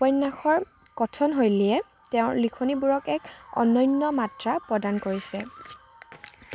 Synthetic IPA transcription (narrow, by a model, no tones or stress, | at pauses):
pɔjnːaxɔɹkɔtʰɔnɦojliɛ | tɛʊ̃likʰonibuɹɔkɛkɔ̰nɔjnːɔmatɹapɹɔdankoɹisɛ